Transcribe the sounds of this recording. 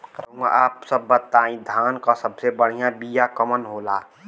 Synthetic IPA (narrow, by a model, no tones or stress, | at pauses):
kəɾũɡa̰aːpsəbːət̪ːaːĩd̪ʱaːnkasəbsebəɽ̤ijãbijakəmənɦola̰ː